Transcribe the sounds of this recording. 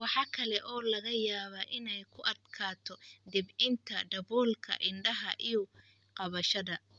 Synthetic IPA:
wɑħɑːkʰɐlɛʔɔːlɐɣɐjaːβaʔɪnɛjkʰʊʔɐd̪kʰaːt̪ʰɔd̪ɪbɪnt̪ʰɐɖɐβɔːlkʰɐ̰ʔɪɳɖɐɦɐ̰ʔijʊ | qɑβɐʃɐðɐ

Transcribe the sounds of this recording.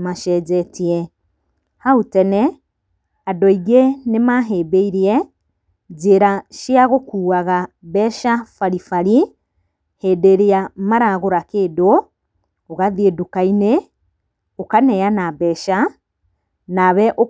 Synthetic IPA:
maʃɛd͡ʒɛtiɛ | hautɛnɛ | adɔiɣenemaɦebeiɾiɛ | d͡ʒeɾaʃiaɣokuːaɣabɛʃafaɾifaɾi | hedeɾeamaɾaɣoɾakedo | oɣaðiedukaine | okanɛjanabɛʃa | naβɛʔo

